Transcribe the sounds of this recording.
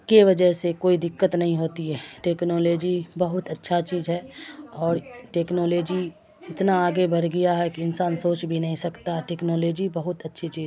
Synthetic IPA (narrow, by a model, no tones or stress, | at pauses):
keʋɐd͡ʒəɦsekoːid̪ɪkːət̪nɐɦĩɦoːt̪iɦɛːʈeːknoːloːd͡ʒibɐɦʊt̪ɐtːʃʰat͡ʃiːzɦɛːɔːɾʈeːknoːloːd͡ʒi | ɪt̪naaːɡebɐɾɡɐjaɦɛkiɪnsaːnsoːt͡ʃbʱinɐɦĩsɐkt̪aʈeːknoːloːd͡ʒibɐɦʊt̪ɐtːʃʰit͡ʃiːz